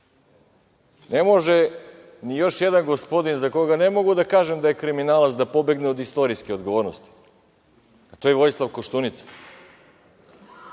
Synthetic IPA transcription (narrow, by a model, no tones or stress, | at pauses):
ne̞mo̞ʒe | nijo̞ʃjed̪anɡospo̞d̪inzakoɡane̞mo̞ɡud̪akaːʒemd̪aje̞kɾiminaːlat̪sd̪apo̞be̞ɡneo̞d̪ist̪o̞ɾijskeo̞d̪ɡo̞ʋoɾnost̪i̥ | at̪ojeʋo̞jslˠaʋkoʃt̪unit̪se̥